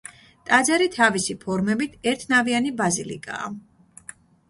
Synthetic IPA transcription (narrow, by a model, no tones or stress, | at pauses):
t̪ʼad̪zaɾit̪ʰavisipʰɔɾmɛbit̪ʰɛɾt̪ʰnavianibazilḭkʼa̰ː